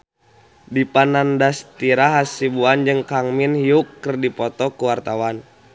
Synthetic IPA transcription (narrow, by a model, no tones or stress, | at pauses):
dipanandast̪iɾaɦasibuand͡ʒɨŋkaŋminhiukːərdipɔt̪ɔkuwart̪awan